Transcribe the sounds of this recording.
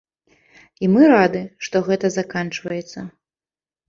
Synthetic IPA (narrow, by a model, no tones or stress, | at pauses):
imɨɾad̪ɨʂt̪ɔɣɛt̪ɐzakant͡ʂvɐjɛt̪sːɐ